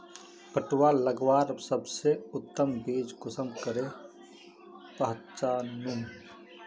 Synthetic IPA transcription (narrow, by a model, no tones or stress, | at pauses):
pəʈwaləɡʋaːɾsəbseʊt̪ːəmbiːd͡ʒɡʊsəmkəɾe | pəɦtt͡ʃaːnũn